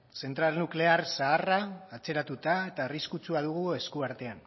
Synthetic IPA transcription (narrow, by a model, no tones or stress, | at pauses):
se̞nt̪ɾalnukle̞aɾsaːraːt͡se̞ɾat̪ut̪ae̞t̪ariskut͡suaðuɣ̞ue̞skuaɾt̪e̞an